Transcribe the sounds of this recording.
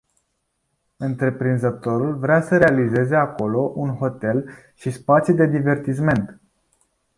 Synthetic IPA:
ɨnt̪ɾe̞pɾinzət̪o̞ɾulvɾeasəɾe̞alize̞ze̞ako̞lo̞ʔunɦo̞t̪e̞l | ʃispat̪sʲjud̪e̞d̪ive̞rt̪is̬me̞nt̪

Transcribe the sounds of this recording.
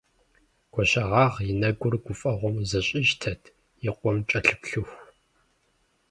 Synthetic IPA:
ɡ̥ʷɔɕʼɐʁɑːʁjɪnɐɡʷʊrɡʷʊfʼɐʁʷɔmzɐɕʼɪʒtʰɐtʰ | jɪqʷɔmt͡ʃʼɐɬɨpɬɨxʷ

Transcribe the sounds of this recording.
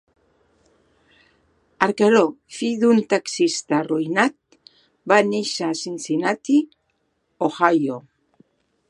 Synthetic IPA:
aɾkaɾofiðunt̪aksist̪arojnat̪̚ | baniʃasinsinat̪i | oxajo

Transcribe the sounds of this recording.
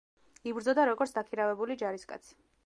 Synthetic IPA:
ibɾd̪zɔd̪aɾɔɡɔɾt̪sd̪akʰiɾavɛbulid͡ʒaɾiskʼa̰t̪sʰi̥

